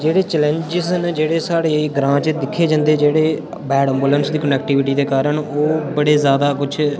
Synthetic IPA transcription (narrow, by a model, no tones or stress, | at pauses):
d͡ʒeːɽeːt͡ʃɛlɛ̃ɲd͡ʒɪzənd͡ʒeːɽeːsaːɽeːɡɾãːt͡ʃəd̪ɪkʰːeːd͡ʒãːnd̪eːd͡ʒeːɽeː | bɛːɖə̃mbuːlənsd̪iːkənɛːk̚ʈɪːʋɪʈiːd̪eːkaːɾəɳoːbəɽeːzjaːd̪aːkʊt͡ʃʰ